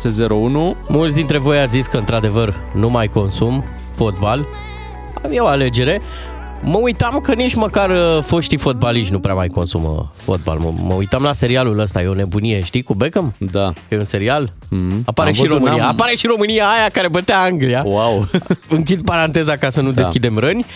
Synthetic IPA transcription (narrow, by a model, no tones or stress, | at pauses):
sezeɾounumult̪s̬ʲd̪int̪ɾe̞vo̞jat̪sʲziskəɨnt̪ɾad̪e̞vər | numajko̞nsum | fo̞t̪̚bal | jeo̞ale̞d͡ʒe̞ɾe̞ | məujt̪amkənit͡ʃməkarfo̞ʃt̪ifo̞t̪̚baliʃʲnupɾeamajko̞nsumə̰fo̞̰t̪̚ba̰lmə̰mə̰ṵjt̪amlase̞ɾialuləst̪aje̞o̞ne̞bunije̞ʃt̪ikubekəmd̪akəjeunse̞ɾialapaɾeʃiɾomɨniaapaɾe̞ʃiɾo̞mɨnijaːjakaɾe̞bət̪eaaŋɡliawawɨŋk̬ʲid̪̚paɾant̪e̞zakasənud̪eskʲid̪e̞mɾənʲ